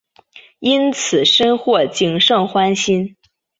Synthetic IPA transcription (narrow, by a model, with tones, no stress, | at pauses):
i˥nt͡sʰɹ̩˨˩ʂə˥nxwɔ˥˩t͡ɕi˧˥ŋʂɤ˥˩ŋxwa˥nɕi˥n